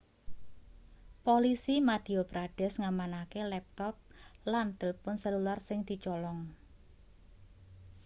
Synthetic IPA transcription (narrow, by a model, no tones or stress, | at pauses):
polisimad̪̥iobɾaɖ̥ɛ̤sŋamanakelɛp̚t̪ɔp̚land̪əlpʊnsɛlularsɪŋd̪̥i̤t͡ʃɔlɔŋ